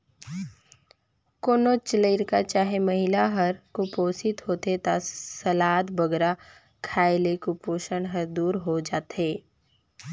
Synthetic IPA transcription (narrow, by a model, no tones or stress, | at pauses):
koːnot͡ʃləɪɾkat͡ʃaːɦemɐɦɪlaɦɐɾkʊpoːsɪt̪ɦoːt̪et̪asɐlaːt̪bəɡɾa | kʰaːelekʊpoːʃəɳɦɐɾd̪uːɾɦod͡ʒaːt̪ɦeː